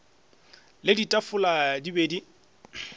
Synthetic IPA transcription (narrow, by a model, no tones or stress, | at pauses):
lɪditʼafʊladibeːdi